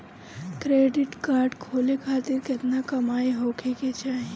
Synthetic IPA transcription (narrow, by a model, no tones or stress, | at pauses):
kɾeːɖɪʈkaːɾɖkʰoːlekʰaːt̪ɪɾkɪt̪nakɐmaːeɦoːkʰeket͡ʃaːɦie